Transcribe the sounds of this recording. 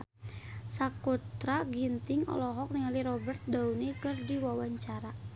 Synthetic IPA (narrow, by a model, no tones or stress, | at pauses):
sakut̪ɾaɡint̪ɪŋɔ̰lɔɦɔk̚niŋaliɾɔbərt̪̚daunikɨrdiwawaɲt͡ʃaɾa